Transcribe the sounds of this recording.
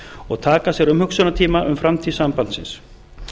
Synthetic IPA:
ɔɣt̪ʰaːkasjɛɾʏmhʏksœnat̪ʰiːmaʔʏmfɾamt̪ʰiːðsampan̥t̪sɪ̰ns

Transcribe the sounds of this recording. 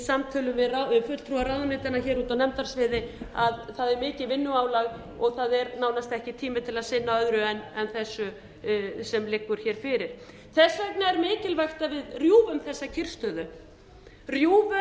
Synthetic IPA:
samt̪ʰœːlʏmvɪðraɪfʏt̪l̥t̪ʰɾuaɾawðnɪt̪anaçɛːɾuːt̪awnɛmt̪aɾ̥svɪðɪaðθaðɛɾmɪːcɪvɪnːʏaːwlaɣ | ɔɣθaðɛɾnaːwnast̪ɛhcɪt̪ʰiːmɪt̪ʰɪlaðsɪnːaœðɾʏɛnɛnθɛsːʏ | sɛmlɪkːʏɾ̥çɛːɾ̥fɪɾɪɾ̥ | θɛsːaœpnaɛɾmɪːcɪlvajxt̪avɪðrjuːvʏmθɛsːacʰɪr̥st̪œðʏ | rjuːvʏ

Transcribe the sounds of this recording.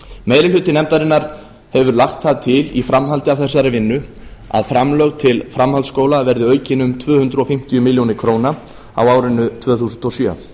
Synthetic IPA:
meːjɾɪlʏːt̪ɪnɛmt̪aɾɪnːaɾ̥ | hɛvʏɾlaxt̪θaðt̪ʰɪlḭfɾamɦalt̪ɪawθɛsːaɾɪvɪnːʏ | a̰ðfɾamlœɣt̪ʰɪlfɾamhalt̪skoːwlavɛɾðɪœɥcɪnʏmt̪ʰvœːhʏnt̪ɾʏɔfɪm̥t̪ɪjʏmɪljownɪɾkʰɾoːwna | a̰waːwɾɪnːʏt̪ʰvœːθuːsʏnt̪ɔsjœ̰

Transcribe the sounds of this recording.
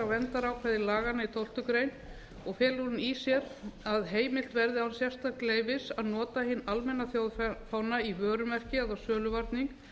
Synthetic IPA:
awvɛnt̪aɾawkʰvɛːðɪlaːɣanait̪ʰowl̥t̪ʏkɾeːjn | ɔɣfɛːlunisjɛɾaðɦeːjmɪl̥t̪vɛɾðɪawnsjɛfst̪ak̪leːjvɪsaðnɔːt̪ahɪnːalmɛnːaθjawðfawnaivœːɾʏmɛr̥cɪɛðawsœːlʏvaɾt̪niŋk

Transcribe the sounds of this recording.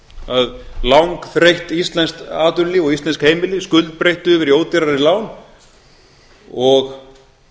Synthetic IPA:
aðlawŋkθɾejht̪ist̪lɛnst̪aːt̪ʏnlɪɔɣist̪ɛnskhejmɪlɪskʏlt̪̚pɾejht̪ʏʏːvɪɾioːwt̪ɪɾaɾɪlaːwn | ɔɣ

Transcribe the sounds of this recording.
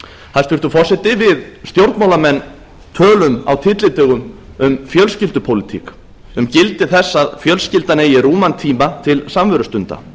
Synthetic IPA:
θhaðst̪ɪɾ̥t̪ʏfɔr̥sɛt̪ɪvɪðst̪jowɾt̪mawlamɛnː | t̪ʰœːlʏma̰wt̪ʰɪt̪lɪt̪œɣʏm | ʏmfjœlscɪlt̪ʏpʰowlɪt̪ʰḭk | ʏmcɪlt̪ɪθɛsːaðfjœlscɪlt̪anejɪɾuːmant̪ʰiːmat̪ʰɪlsamvœɾʏst̪ʏnt̪a̰

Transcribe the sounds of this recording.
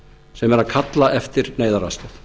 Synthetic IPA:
sɛmɛɾaðkʰat̪laʔɛft̪ɪɾneːjðaɾa̰st̪ʏθ

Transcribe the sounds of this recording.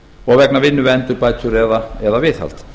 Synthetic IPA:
ɔɣvɛknavɪnːʏvɛnt̪ʏɾpaj̪ʰʏɾɛðaɛðavɪθha̰l̥t̪

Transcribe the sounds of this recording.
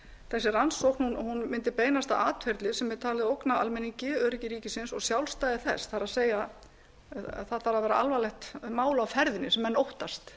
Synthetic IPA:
θɛsːɪɾansɔwhkn̥hunhunmɪnt̪ɪpeːjnast̪aʔaːt̪fɛɾt̪lɪsɛmːɛɾt̪ʰaːlɪðowknaa̰lmɛnːiŋcɪœɾɪcɪɾiːcɪsɪnsɔɣsjawlst̪aːjðɪθɛ̰sθaɾaðseːja | θaðθaɾaðvɛːɾa̰ʔalvalɛxt̪maːwlawfɛɾðɪnːɪsɛmːɛnːowht̪ast̪

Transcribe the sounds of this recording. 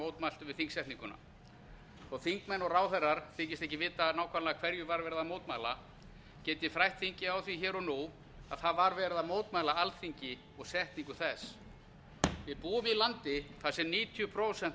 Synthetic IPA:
oːwt̪mal̥t̪ʏvɪðθiŋksɛht̪niŋkʏna̰ | ɔɣθiŋkmɛnɔɣraːwθɛrːaɾ̥θɪcɪst̪ɛhçcɪvɪːt̪anaːwhkʰvalakʰv̥ɛɾjʏvaɾvɛːɾɪðamoːwt̪maːjla | cɛːt̪ɪfɾajht̪θiɲcɪawθviçɛːɾɔnu | aðθaðvaɾvɛːɾɪðamoːwt̪maːjlaalθiɲcɪ | ɔɣsɛht̪niŋkʏθɛs | vɪðpuːʏmilant̪ɪθasɛmniːt̪ʰjʏpʰɾoːwsɛn

